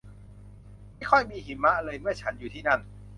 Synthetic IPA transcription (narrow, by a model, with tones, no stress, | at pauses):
mma˥˩jkʰɔ˥˩jmiː˧ɦi˨˩˦mːa˦˥ʔlɤː˧jmɯ˥˩ɐt͡ɕʰa˦˥njuː˨˩iː˥˩na˥˩n